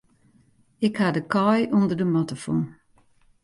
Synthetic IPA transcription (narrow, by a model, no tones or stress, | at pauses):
ɪkhadəkʰɔjʔondərdəmɔtəfɔ̰n